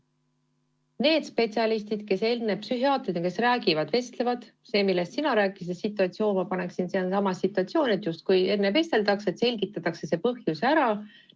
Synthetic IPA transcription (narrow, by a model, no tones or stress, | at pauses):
ne̞ːd̪spe̞t̪siɑlist̪id̪̥ke̞se̞lnːepsyɦiɑːt̪ɾid̪ke̞sræːɡivɑd̪̥ve̞st̪le̞vɑd̪̥ | se̞ːmilːe̞st̪sinɑɾæːkˑːi̥s̬d̪esit̪ːˑuɑt̪sio̞ːnmɑpɑne̞ksinsiɑnsɑmɑsːit̪ːˑuɑt̪sijo̞ːnet̪ˑjust̪̚kuje̞nːeve̞st̪e̞ld̪ɑkse̞t̪se̞lʲɡit̪ːˑɑt̪ːˑɑkse̞se̞ːpɤhjusæɾɑ